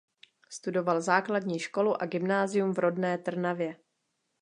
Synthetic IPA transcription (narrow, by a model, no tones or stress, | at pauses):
st̪udo̞valzaːkladɲiːʃko̞luʔaɡɪmnaːzɪjumvɾʔo̞dnɛːt̪r̩navjɛ